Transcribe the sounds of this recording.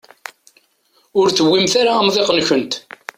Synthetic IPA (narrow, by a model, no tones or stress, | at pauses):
ʊɾθəwːimθaɾamðˤeqənçənt̪